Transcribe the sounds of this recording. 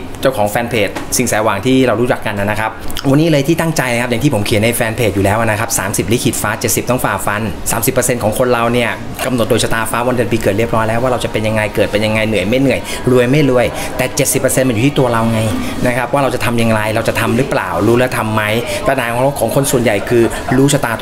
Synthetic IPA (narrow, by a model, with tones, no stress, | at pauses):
t͡ɕa˥˩wkʰɔː˩˦ŋfɛː˧npʰeː˨˩t̪̚si˨˩ŋsɛː˩˦waː˨˩ŋt̪ʰiː˥˩ɾa˧wɾuː˦˥t͡ɕa˨˩kːa˧nːʔa˨˩na˦kʰa˦˥pp̚wa˧nːiː˦˥lɤː˧jt̪ʰiː˥˩t̪a˥˩ŋt͡ɕa˧jn˧kʰa˦˥p̚ja˨ŋt̪ʰiː˥pʰo˩˦mkʰi˨˩˦na˧jfɛː˧npʰeː˨˩t̪̚juː˨˩lɛː˦˥wʔa˨˩na˦˥kʰa˦˥p̚saː˩˦msi˨˩p̚li˦˥kʰi˨˩t̪̚faː˦˥t͡ɕe˨˩t̪̚si˨˩p̚t̪ɔ˥˩ŋfaː˨˩fa˧nsaː˩˦msi˨˩pːɤ˧se˧nkʰɔː˩˦ŋkʰo˧nɾa˧wni˥˩ɐ | ka˧mno˨˩t̪̚doː˧jsa˧t̪aː˧faː˦˥wa˧nde˧˩piː˧kɤː˨˩t̪̚ɾi˥˩əpɾɔː˦˥jlɛː˦˥waː˥˩ɾa˧wt͡ɕa˨˩pe˧nja˧ŋːa˧jkɤː˨˩t̪̚pe˧nja˧ŋa˧jnɯ˨˩əjma˥˩jnɯ˨˩əj | lu˧əjma˥˩jlu˧˩əj | t̪ɛː˨˩t͡ɕe˨˩t̪̚si˨˩pːə˧se˧nma˧njuː˨˩iː˥˩t̪u˧ɐɾa˧wŋa˧j | na˦˥kʰa˦˥p̚waː˥˩ɾa˧wt͡ɕa˨˩t̪ʰa˧mja˧ŋɾa˧jɾa˧wt͡ɕa˨˩t̪ʰa˧mɾɯː˨˦pla̰ː˨˩wɾuː˦˥lɛ˦˥t̪ʰa˧mːa˦˥jpa˧naː˨˩ŋ˨˦˧kʰɔː˨˩˦ŋkʰo˧nsu˨˩ənja˨˩jkʰɯː˧ | ɾuː˦˥sʰa˧t̪aː˧t̪